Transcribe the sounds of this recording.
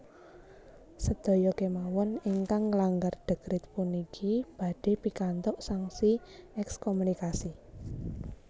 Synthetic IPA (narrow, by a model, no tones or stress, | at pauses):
səd̪̥o̤jɔkemawɔniŋkaŋːəlaŋɡarɖ̪̥ə̤ɡ̥ɾɪt̪̚punikʰib̥a̤ɖ̥e̤pikant̪ɔʔsaŋsiɛkskomunikasi